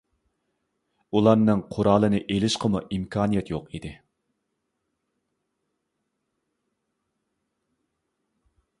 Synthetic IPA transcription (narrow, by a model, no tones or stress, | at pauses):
ulˠɑɾnɨŋqʰʊɾɑːlˠɨnɨʔelɪʃqʰəmuʔimkʰɑːnijɛt̪joqid̪ɪ